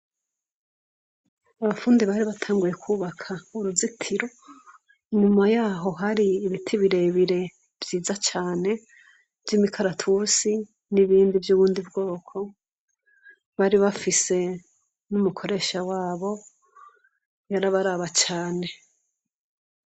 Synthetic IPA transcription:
aβafuːndiβaɾiβatʰaːŋɡuje̞kʰuβakʰauɾuzitʰiɾo̞ | iɲumajaːɦo̞ɦaɾiːβitʰiβiɾe̞βiɾe̞ | v̥jiːzat͡ʃaːne̞ | vjimikʰaɾatʰusi | niβiːndivjuβuːndibɡo̞ːkʰo̞ | βaɾiβafise̞ | numukʰo̞ɾe̞ːʃawaːβo̞ | jaɾaβaɾaβat͡ʃaːne̞

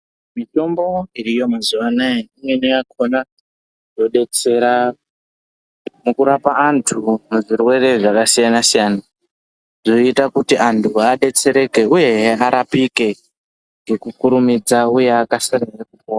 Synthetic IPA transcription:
mito̞mbo̞irijo̞mazuʋanaeimwe̞nojakʰo̞na | do̞ɗe̞t͡se̞ɾa | mukuɾapaantʰumuʐirwe̞re̞ʐakasijanasijaːna | ʐo̞itakutiantʰuaɗe̞t͡se̞ɾe̞ke̞uje̞ɦaɾapike̞ | ŋɡe̞kukuɾumid͡zauje̞akasararekupowa

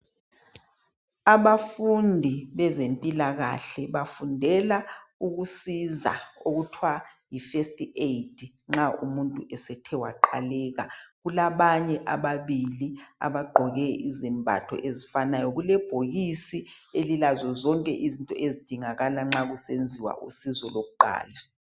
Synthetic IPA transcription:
aβafundʱiβɛzempʼilaɣa̰ɬɛβafundʱɛlauɣusiza̰oɣutʰwajifestʼieitʰʼi | ŋ͡ǁaʔumuntʼuʔɛsɛtʰɛwaǃʰalɛːɣaɣulaβaɲɛʔaβaβilia̰βaɡ͡ǃʱɔɣɛizimbʱa̰tʰɔ̰ʔezifanajɔɣulɛb̥ʱoɣisi | elilazɔzɔŋkʼɛʔizintʼɔ̰ʔezid̥ʱiŋaɣalaŋ͡ǁaɣusend͡zʱiwa̰ʔṵsizɔloɣuǃʱa̰ːla

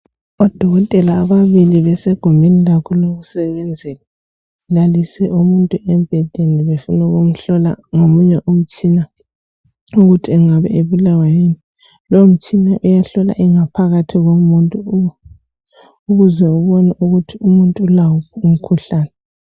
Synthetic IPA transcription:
ɔd̥ʱɔɣɔtʼɛlaːβaβiliβɛsɛɡ̥ʱombʱinilakʰɔloɣusɛβɛnd͡zʱɛla | ɛlalisɛʔumuntʼuʔɛmb̥ʱɛd̥ʱeniβefunɛɣom̩ɬɔla̰ŋomuɲɛʔom̩t͡ʃʼina | uɣutʰiɛŋaβɛ̰eβulawajeni | loom̩t͡ʃʼinaʔujaɬɔla̰ʔiŋapʰaɣatʰiɣomuntʼu | uɣuzɛuβɔnauɣutʰiumuntʼːlawɔum̩kʰuɬaːnɛ

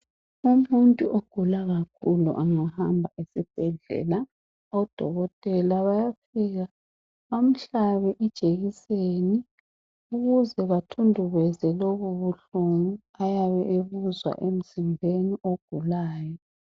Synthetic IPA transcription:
umuntʼuʔoɡ̥ʱulaɣakʰulṵʔaŋahambʱaʔisib̥ʱɛɮɛ̰la | ɔd̥ʱɔ̰ɣɔtʼɛlaβajapʰiːɣa | βam̩ɬaβɛʔid̥ʒ̥ʱeɣiseni | uɣuzɛβatʰundʱuɣɛzɛloβuβuɬuŋu | ajaβɛʔeβuzwa̰ʔem̩zimbʱeniʔoɡ̥ʱulaːjɔ

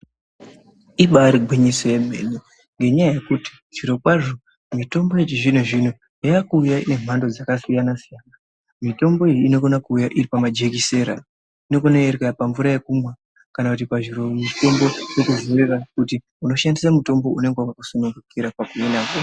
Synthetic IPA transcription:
iɓaɾiɡʱwiɲiso̞je̞m̤e̞̰ne | ŋɡe̞ɲajaje̞kuti̥ | ʐ̥iɾo̞kwaʐo̞ | mito̞mbo̞jet͡ʃiʐin̤uʐin̤u | jaakuːjaine̞m̤ʱando̞d͡zakasijanasijana | mito̞mbo̞ijiːno̞ɡo̞nakuːjaʔiripamad͡ʒe̞k̬ise̞ɾa̰ | ino̞ɡo̞naeɾekepaɱvuɾaje̞kumwa | kanakut̬ipaʐiɾo̞muto̞mbo̞t͡ʃokuzorerakuti | uno̞ʃandisamuto̞mbo̞une̞ŋɡewakakusonuŋɡukiɾapakuenaːko

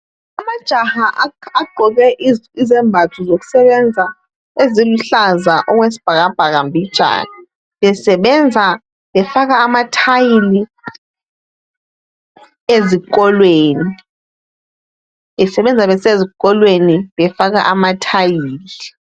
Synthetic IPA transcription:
amad̥ʒ̥ʱahaʔaaɡ͡ǃʱɔk̬ɛʔizɛmbʱatʰuzok̬u̥sɛɓɛnd͡zʱa | eziluɬazaʔɔk̬wesi̥b̥ʱak̬ab̥ʱaɣ̬ambʱid̥ʒ̥ʱa̰na | ɓɛsɛɓɛnd͡zʱa | ɓɛfak̬aːmatʰajili | ezik̬ʼɔlweːni | ɓɛsɛɓɛnd͡zʱaɓɛsezik̬ʼɔlweniɓɛfak̬a̰ʔamatʰajiːli

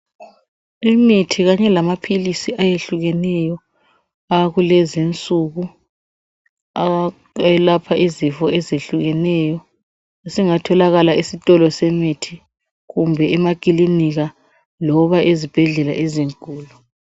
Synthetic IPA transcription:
imitʰiɣaɲɛlamapʰilisiʔajeɬuɣɛnɛjɔ | aɣulɛzint͡sʼuɣu | ɛlapʰaʔizifɔʔɛzeɬuɣɛnɛjɔ | esiŋatʰɔlaɣalaisitʼɔlɔsemitʰi | ɣumbʱɛɛmak̬ʼiliniɣa | lɔβaʔezib̥ʱɛɮɛlaʔeziŋkʼuːlu

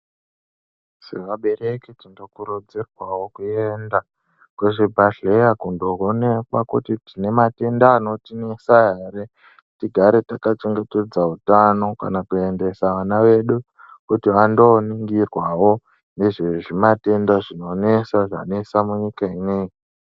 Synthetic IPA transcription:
sḛʋaɓe̞ɾeketindo̞kuɾod͡zerwawo̞kuenda | kuʐibʱaɬejakundoɦone̞kwakutitine̞mate̞ndaːno̞tine̞saɦeɾe | tiɡʱaɾetakat͡ʃeŋɡe̞ted͡zautano̞ka̰nakue̞nde̞saʋanaʋe̞ɗu | kutiʋando̞niŋɡirwawo̞ | ne̞ʐeʐimate̞ndaʐino̞ne̞saʐa̰ne̞samuɲikaineːji

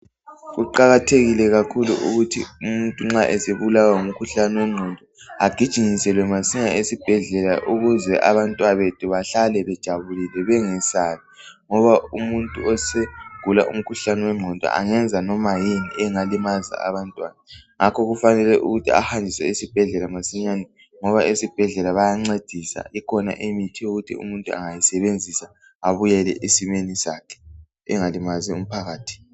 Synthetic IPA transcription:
ɣuǃaɣatʰeɣilɛɣakʰuluʔuɣutʰḭumuntʼuŋ͡ǁaʔɛseβulawaŋum̩kʰuɬanɛwɛŋ͡ǀʱɔndʱɔaɡ̥ʱid̥ʒ̥ʱiŋisɛlwɛmasiɲaesib̥ʱɛɮɛlaʔuɣuzɛʔa̰βantʼwaβetʰuβaɬalɛβɛd̥ʒ̥ʱaβulilɛβɛŋɛsaːlaŋɔβaumuntʼuɔseɡ̥ʱula̰ʔṵm̩kʰuɬanɛwɛŋ͡ǀʱɔndʱʼa̰ʔa̰ŋɛnd͡zʱanɔmajiniʔɛŋalimaza̰a̰βantʼwa̰ːnaŋakʰɔɣufanɛlɛʔṵɣutʰia̰handʱisɛ̰isib̥ʱɛɮɛlamasiɲaːnɛ | ŋɔβaʔesib̥ʱɛɮɛlaβajaŋ͡ǀed̥ʱisa̰ʔikʰɔna̰ʔemitʰiuɣutʰḭṵmuntʼua̰ŋajisɛβend͡zʱisa | aβujɛlɛ̰ʔisimenisakʰɛ̥ | ɛŋalimazɛum̩pʰaɣaːtʰi̥

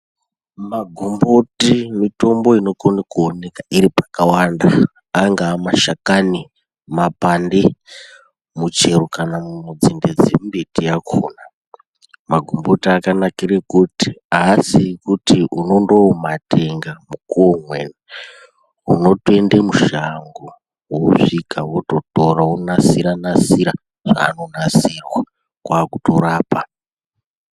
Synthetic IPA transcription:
maɡʱumbotimito̞mbo̞ino̞konekuone̞kaʔiɾipḁkawandaː | ŋɡaːmaʃakani | mapande | mut͡ʃe̞rokanamumud͡zinded͡zembetiakʰoːna | maɡʱumbotiakanakirekuti̥asikutiʔuno̞ndo̞mate̞ŋɡamukuomwene | uno̞tue̞ndemuʃaŋɡo | woʐikʰawoto̞toɾaonasiɾanasiɾa | ʐ̥a̰ːno̞nasirwa | kwakuto̞ɾaːpa

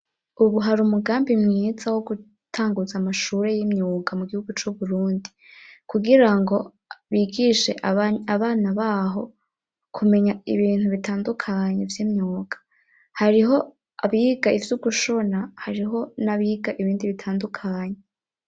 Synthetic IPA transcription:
uβuɦaɾumuɡaːmbimŋizawoɡu | tʰaːŋɡuzamaʃuɾe̞jimɲuːkʰamuɡihuɡut͡ʃuβuɾuːndi | kuɡiɾaŋɡo̞ | βiɡiʃe̞ʔaβaːnaβaːɦo̞ | kʰume̞ɲaiβiːn̥huβitaːndukʰaɲevjiːmɲuːkʰḁ | haɾiɦo̞ | aβiːɡaivjuɡuʃo̞nahaɾiɦo̞naβiːɡaʔiβiːndiβitʰaːndukʰaːɲe

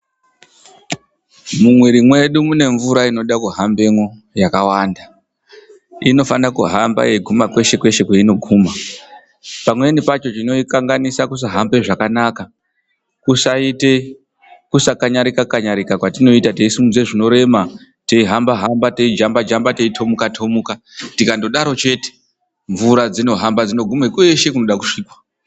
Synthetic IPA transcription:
mumwiɾimwe̞ɗumune̞ɱvuɾaino̞ɗakuɦambe̞ŋo̞jakawanda | ino̞fanakuɦamba̰jeiɡʱumakwe̞ʃe̞kwe̞ʃe̞kweino̞ɡʱuːma | pamwe̞nipat͡ʃo̞t͡ʃino̞ikaŋɡanisakus̬aɦambe̞ʐakanaka | kusaite | kusakaɲaɾikakaɲaɾikakwatino̞itate̞isumud͡ze̞ʐino̞ɾe̞ma | teiɦambaɦambate̞id͡ʒambad͡ʒambate̞itʰo̞mukatʰo̞muka | tikando̞ɗaɾo̞t͡ʃe̞te̥ | ɱvuɾad͡zino̞ɦambad͡zino̞ɡʱumekweʃe̞kuno̞ɗaku̥ʂiːkwa

